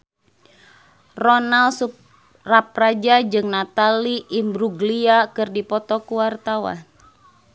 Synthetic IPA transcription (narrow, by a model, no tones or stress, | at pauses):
rɔnalsup | rap̚rad͡ʒad͡ʒɨŋnat̪aliʔimbɾuɡliakɨrdipɔt̪ɔkuwart̪awa̰n